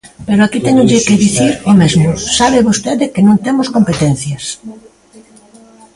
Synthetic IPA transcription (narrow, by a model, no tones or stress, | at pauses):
peɾoakit̪ɛɲʊʎɪkeðiθiɾomezmʊsaβ̞eβost̪eðekenõŋt̪emoskompet̪ɛn̟θjas